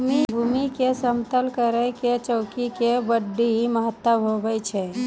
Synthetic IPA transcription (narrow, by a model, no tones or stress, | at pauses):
mibʱumikesəmt̪əlkəɾəket͡ʃəʊkikebəɖːiɦiməɦət̪ːəɦobɛjt͡ʃʰɛ